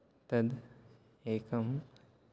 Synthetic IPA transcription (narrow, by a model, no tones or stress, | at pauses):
t̪ɐd̪ | eːkɐm